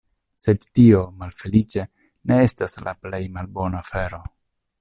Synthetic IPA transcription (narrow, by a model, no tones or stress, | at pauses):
se̞dtio̞malfe̞lit͡ʃe̞ | ne̞estasla̰ple̞jmalbo̞nafe̞ɾo